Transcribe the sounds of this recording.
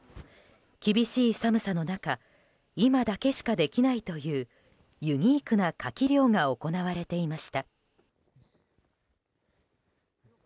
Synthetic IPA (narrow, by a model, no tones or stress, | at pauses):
kʲibʲiɕiːsamɯ̟sano̞naka | imad̪ake̞ɕi̥kad̪e̞kʲinait̪o̞jɯ̟ː | jɯ̟ɲ̟iːkɯ̟nakakʲiɾʲjo̞ːŋao̞ko̞naβaɾe̞t̪e̞imaɕi̥t̪a